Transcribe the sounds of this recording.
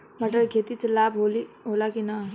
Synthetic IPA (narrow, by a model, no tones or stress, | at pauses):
maʈəɾɡʱet̪it͡slabɦoliɦolakina